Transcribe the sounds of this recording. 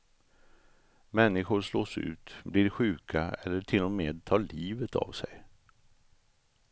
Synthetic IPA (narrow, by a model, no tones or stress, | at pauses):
mɛnːɪɧʊɾʂloːsʉ̟̰ːt̪blɪɖɧʉ̟ːkʰaɛlːəʈʰɪlːʊmeːd̪̚t̪ʰɑːɭiːvət̪ʰa̰vsɛ̰j